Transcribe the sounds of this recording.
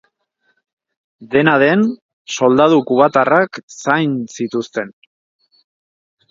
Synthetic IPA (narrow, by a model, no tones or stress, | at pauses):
d̪e̞naðe̞n | so̞ld̪aðukuβat̪araksajnsit̪ust̪e̞n